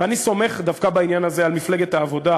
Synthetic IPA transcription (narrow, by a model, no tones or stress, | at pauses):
aniso̞me̞χd̪afkabainjanazealmifleɡet̪aːvo̞d̪a